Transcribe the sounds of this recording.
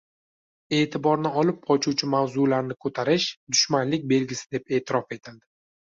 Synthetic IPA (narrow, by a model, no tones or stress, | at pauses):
e̞ːt̪ʰɪbɒɾnɪɒlɪp̚qʰɒt͡ʃʰut͡ʃʰɪmawzulaɾnɪkʰɵt̪ʰaɾɪʃd̪ʊʃmanlɪk̚ʲbe̞lɡʲɪsɪ̥d̪e̞pe̞ːt̪ʰɪɾɒfe̞t̪ʰɪld̪ɪ